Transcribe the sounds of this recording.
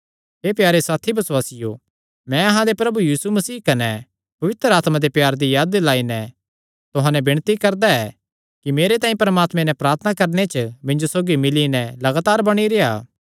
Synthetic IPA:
ɦeːpjaːɾesaːt̪ʰibɐswaːsɪjo̰ | mɛ̃ɐɦãd̪epɾɐbujiːsumɐsiːkɐnɛ | pɐʋɪt̪ɾaːt̪mãd̪epjaːɾd̪ijaːd̪laːinɛ̃ | t̪ʊɦãnɛbɪɽ̃t̪ikɐɾd̪aɛː | kimeːɾet̪aːĩpɐɾmaːt̪mẽnɛpɾaːɾt̪ʰənakɐɾnet͡ʃmɪ̃ɲd͡ʒosoːɡimɪlinɛlɐɡaːt̪aːɾbɐɽ̃iɾea̰ː

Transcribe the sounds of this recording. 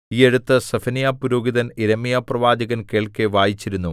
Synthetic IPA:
iːeɻut̪ːɐsɐfɐnijapuɾoːɡiðɐniɾɐmijaprɐʋaːd͡ʑɐɣɐnke̞ːɭkeʋaːjit͡ɕːiɾunːu

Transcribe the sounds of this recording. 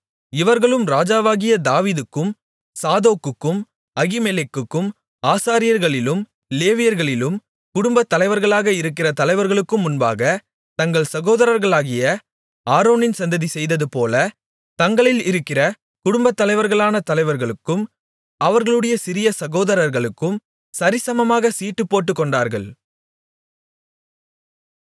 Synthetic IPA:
ɪʋɐɾɣɐɭɯmɾaːd͡ʒaːʋaːɣɪjɐd̪aːʋiːðɯkːɯm | saːðoːkːɯkːɯm | ɐɣɪmelɛkːɯkːɯm | aːsaːɾɪjɐɾɣɐɭɪlɯm | leːʋɪjɐɾɣɐɭɪlɯm | kʊɽʊmbɐt̪ːɐlɐɪʋɐɾɣɐɭaːɣɐɪɾɯkːɪrɐt̪ɐlɐɪʋɐɾɣɐɭɯkːɯmːʊnba̰ːɣɐ | t̪ɐŋɡɐɭsɐɣoːðɐɾɐɾɣɐɭaːɣɪjɐ | aːɾoːnɪnsɐnd̪ɐðisɛjðɐðɯpoːlɐ | t̪ɐŋɡɐɭɪlɪɾɯkːɪrɐ | kʊɽʊmbɐt̪ːɐlɐɪʋɐɾɣɐɭaːnɐt̪ɐlɐɪʋɐɾɣɐɭɯkːɯm | ɐʋɐɾɣɐɭɯɽɐjɐsɪɾɪjɐsɐɣoːðɐɾɐɾɣɐɭɯkːɯm | sɐɾɪsɐmɐmaːɣɐsiːʈːɯpːoːʈːɯkːɔɳɖaːɾɣɐɭ

